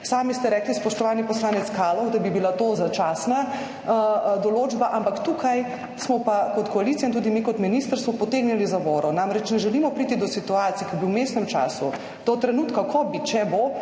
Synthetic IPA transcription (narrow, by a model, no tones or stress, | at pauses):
saːmist̪ɛɾɛːklispɔʃt̪ɔʋaːlnipɔslaːnɛt̪skaːlɔwd̪ɐbibilat̪ozat͡ʃaːsna | d̪ɔloːd͡ʒbaʔampakt̪ukʰaj | smɔpakɔt̪kɔalit̪sijaint̪uːd̪imiːkɔt̪minist̪əɾsmɔpɔt̪eːɡnɛlizabɔːɾɔnamɾɛt͡ʃnɛʒɛlimɔpɾiːt̪id̪ɔsit̪uaːt̪sijɛkɐbiwmeːst̪nɛmt͡ʃa̰ːsu | d̪̥ɔt̪ɾɛnuːt̪kakʰɔbit͡ʃɛbo